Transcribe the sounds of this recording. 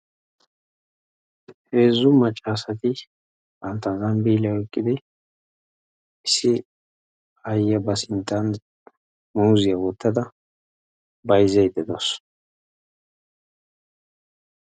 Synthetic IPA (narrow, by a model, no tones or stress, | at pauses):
he̞ːzːʊmɐt͡ʃʼːaːsɐt̪ɪ | ʔɐnt̪ɐzɐnbiːlɐwɛkʼːɪd̪ɪ | ɪsɪ | ɐjːɐbɐsɪnt̪ʼːɐn | muːzɪjɐwɔt̪ːɐd̪ɐ | bɐjzɛjd̪ɛd̪os